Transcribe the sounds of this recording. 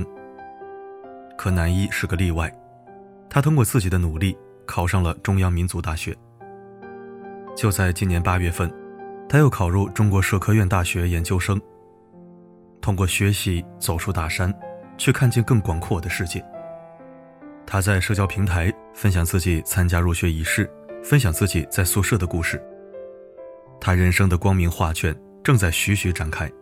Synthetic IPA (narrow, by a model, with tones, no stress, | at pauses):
kʰɤ˧˩na˧˥ni˥ʂɻ̩˥˩ɡə˩li˥˧wa˥˩ɪ | t̪ʰa˥t̪ʰʊ˥ŋkwɔ˥˧t͡sɹ̩˥˩t͡ɕi˨˩d̪ə˦nu˨˩li˥˩ | kʰɑ˨˩ʊʂɑ˥˩ŋlə˩ʈ͡ʂʊ˥ŋjɑ˥ŋmi˧˥nt͡su˧˥t̪a˥˩ɕɥɛ˧˥ | t͡ɕjo˥˧ʊt͡sa˥˩ɪt͡ɕi˥njɛ˧˥npa˥ɥɛ˥˧fə˥˩nt̪ʰa˥jo˥˩ʊkʰɑ˨˩ʊɻu˥˩ʈ͡ʂʊ˥ŋkwɔ˧˥ʂɤ˥˩kʰɤ˥˧ɥɛ˥˧nt̪a˥˩ɕɥɛ˧˥jɛ˧˥nt͡ɕjo˥ʊʂɤ˥ŋ | t̪ʰʊ˥ŋkwɔ˥˩ɕɥɛ˧˥ɕi˧˥t͡so˨˩ʊʈ͡ʂʰu˥t̪a˥˩ʂa˥nt͡ɕʰɥɛ˥˧kʰa˥˧nt͡ɕjɛ˥˧nkɤ˥˩ŋkwɑ˨˩ŋkʰwɔ˥˩d̪ə˩ʂɻ̩˥˧t͡ɕɛ˥˩n | t̪ʰa˥t͡sa˥˧ɪʂɤ˥˧t͡ɕjɑ˥ʊpʰi˧˥ŋt̪ʰa˧˥ɪ | fə˥nɕjɑ˨˩ŋt͡sɹ̩˥˩t͡ɕi˨˩t͡sʰa˥nt͡ɕja˥ɻu˥˩ɕɥɛ˧˥i˧˥ʂɻ̩˥˩ | fə˥nɕjɑ˨˩ŋt͡sɹ̩˥˩t͡ɕi˨˩t͡sa˥˧ɪsu˥˧ʂɤ˥˩d̪ə˩ku˥˧ʂɻ̩˥˩ | t̪ʰa˥ɻə˧˥nʂɤ˥ŋd̪ə˨kwɑ˥ŋmi˧˥ŋxwa˥˧t͡ɕʰɥɛ˥˧˩n | ʈ͡ʂɤ˥˧ŋt͡sa˥˩ɪɕy˧˥ɕy˧˥ʈ͡ʂa˨˩nkʰa˥ɪ